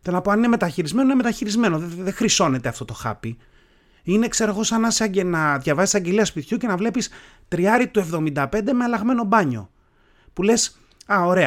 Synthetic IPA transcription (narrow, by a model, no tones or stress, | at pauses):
t̪enɐpoɐnine̞me̞t̪ɐçiɾizme̞noineme̞t̪ɐçiɾizme̞no̞ððexɾiso̞ne̞t̪eɐft̪o̞t̪o̞xɐ̰pi | ine̞kseɾoɣo̞sɐnɐsɐɟenɐðʝɐvɐsisɐɟe̞liɐspit̪çuce̞nɐvle̞pis | t̪ɾiɐɾit̪ue̞vðo̞mind̪ɐpe̞nd̪e̞me̞ɐlɐɣme̞no̞bɐɲo̰ | pule̞s | ɐo̞ɾe̞ɐ